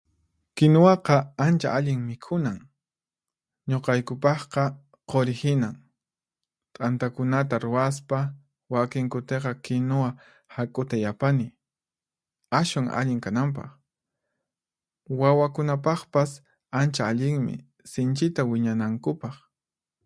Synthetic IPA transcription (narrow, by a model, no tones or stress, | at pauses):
kɪnowɑqɑant͡ʃa̰ʔaʎɪŋmɪkʰʊnaŋ | ɲoqɑjkʊpɑχqɑ | qoɾɪhɪnaŋ | t̪ʼant̪akʊnat̪aɾʊaspa | wakɪŋkʊt̪eqɑkɪnowa | hakʼʊt̪ajapanɪ | aʃwaŋa̰ʎɪŋkanamp̬ɑ̰χ | wawakʊnap̬ɑχpas | ant͡ʃaːʎɪŋmɪ̰ | sɪnt͡ʃɪt̪awɪɲanaŋkʊpɑχ